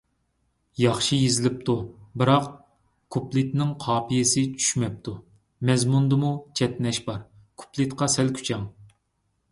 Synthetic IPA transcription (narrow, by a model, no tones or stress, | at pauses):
jɑχʃijezɪlɪp̚t̪ʰubɨɾɑq | kʰuplˠɪt̪nɪŋqʰɑːpʰijɪsɪt͡ʃʰy̥ʃmɛp̚t̪ʰu | mɛzmund̪ɨmut͡ʃʰɛt̪nɛʃbɑɾ | kʰu̥plˠɨt̪qʰɑsɛlkʲʰy̥t͡ʃʰɛŋ